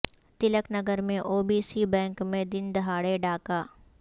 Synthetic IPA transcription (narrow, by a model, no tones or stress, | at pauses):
t̪ɪləknɐɡəɾmẽʔoːbiːsibɛ̃ːŋkmẽd̪ɪnd̪ɦaːɽeɖaːkaː